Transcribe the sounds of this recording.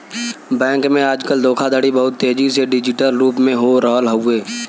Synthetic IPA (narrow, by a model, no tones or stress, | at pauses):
bɛ̃ːŋkmẽaːd͡ʒkəld̪oːkʰad̪aːɽibəɦʊt̪ːeːd͡ʒiseɖɪd͡ʒɪʈəlɾuːpmẽɦoɾɔːlɦəueː